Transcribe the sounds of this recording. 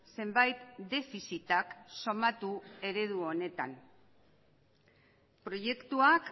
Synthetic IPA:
se̞mbajt̪d̪e̞fisit̪akso̞mat̪ue̞ɾe̞ð̞uo̞ne̞t̪a̰n | pɾo̞je̞kt̪uak

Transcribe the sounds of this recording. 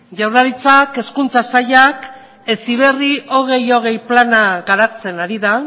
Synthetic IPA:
ʝawɾaɾit͡sake̞skunt͡sasaʎak | e̞siβ̞e̞riʔo̞ɣ̞e̞jo̞ɣ̞e̞jplanaɣaɾat͡se̞naɾiða

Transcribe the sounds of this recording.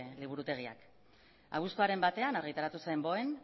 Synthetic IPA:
liβ̞uɾut̪e̞ɣ̞ia̰k | a̰βust̪oaɾe̞mbat̪e̞anaɾrɣ̞it̪aɾat̪usembo̞e̞n

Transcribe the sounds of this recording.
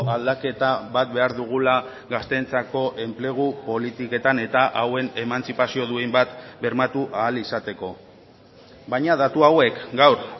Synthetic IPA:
ald̪ake̞t̪aβat̪̚be̞aɾðuɣ̞ula | ɣast̪e̞nt͡sako̞ʔe̞mple̞ɣ̞upo̞lit̪ike̞t̪ane̞t̪aʔawe̞ne̞mant͡sipasio̞ðuejmbat̪be̞ɾmat̪uʔaːlisat̪e̞ko̞ | baɲað̞at̪uawe̞kɡawɾ

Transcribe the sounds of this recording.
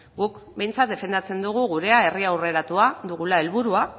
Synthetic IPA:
ɡukbe̞jnt͡sat̪̚d̪e̞fe̞nd̪at͡se̞nd̪uɣ̞uɣuɾe̞ae̞riawre̞ɾat̪uaðuɣulae̞lβuɾua

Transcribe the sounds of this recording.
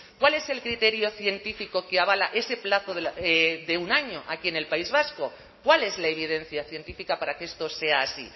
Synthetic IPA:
kwale̞se̞lkɾit̪e̞ɾjo̞θje̞nt̪ifiko̞keaβ̞alaʔe̞se̞plaθoðeðe̞unaɲoʔakie̞ne̞lpaizβasko̞ | kwale̞zlae̞β̞ið̞ẽ̞n̟θjaθje̞nt̪ifikapaɾakeest̪ose̞aːsḭ

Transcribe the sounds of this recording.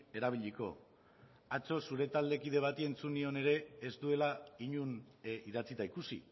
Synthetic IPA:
e̞ɾaβ̞iʎiko̞̰ | at͡so̞suɾe̞t̪ald̪e̞kið̞e̞βat̪ie̞nt͡sunio̞ne̞ɾe̞ːzd̪ue̞laiɲun | iðat͡sit̪aikusḭ

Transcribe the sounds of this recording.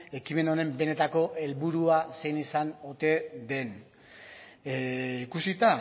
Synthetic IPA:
e̞kime̞no̞ɾe̞mbe̞ne̞t̪ako̞ʔe̞lβuɾuase̞jnisano̞t̪e̞d̪e̞n | ikusit̪a

